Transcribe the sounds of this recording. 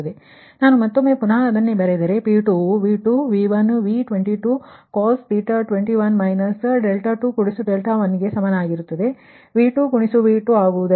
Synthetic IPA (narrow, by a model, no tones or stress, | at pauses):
ɐd̪e | naːnumɐt̪ːomːe̞ːpunaːɐd̪ɐnːebɐɾed̪ɐɾe̞piːʈuʋiːʈuʋiːʋɐnʋiʈʋeɳʈiʈuːkoːspiːʈɐʈʋeɳʈiʋɐnmɐjnɐsɖelʈaːʈuːkuɽisuɖelʈaʋɐnːiɡe̞sɐmɐnɐaːɡiɾut̪ːɐd̪e̞ | ʋiːʈukuɳisuʋiːʈuaːɡud̪ɐ